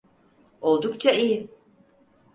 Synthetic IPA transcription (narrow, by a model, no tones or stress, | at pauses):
o̞lˠd̪ukt͡ʃʰaiji